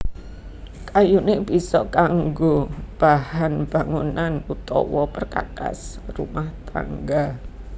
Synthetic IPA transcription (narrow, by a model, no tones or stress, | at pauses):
kajuneb̥isɔkaŋɡob̥ahanb̥aŋunanut̪ɔ̰wɔpərka̰ka̰s | rṵmaht̪a̰ŋɡa